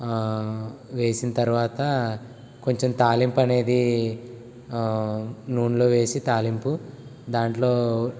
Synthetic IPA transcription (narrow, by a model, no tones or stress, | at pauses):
ʋe̞ːsinɐt̪ɐɾuʋaːt̪ɐ | ko̞ɲt͡ʃemt̪aːlimpɐne̞ːd̪i | nuːnlo̞ːʋe̞ːsit̪aːlimpud̪aːɳʈlo̞ː